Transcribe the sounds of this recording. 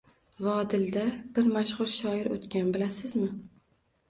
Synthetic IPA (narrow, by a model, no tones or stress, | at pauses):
vɒd̪ɪld̪ab̥ɪɾmaʃʁʊɾʃɒɪɾo̰t̪kʲʰanbɪlasɪzmɪ